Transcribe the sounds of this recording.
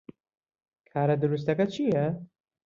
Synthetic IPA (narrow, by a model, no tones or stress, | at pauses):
kʰaːɾɐd̪ʊɾus̬t̪ɐkɐt͡ʃʰijɛ